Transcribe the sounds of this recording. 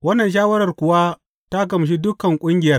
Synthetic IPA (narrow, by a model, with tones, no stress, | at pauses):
wɐ˦nːɐ˨nʃ̬aː˦wɐ˦ɾɐ˨rkʷʊ˨wa˦ | ta˦ɡɐ˨m˨ʃ̬i˦dʊ˦kɐ˨ŋkʷʼʊ˦ŋɡʲɪ˨jɐ˦r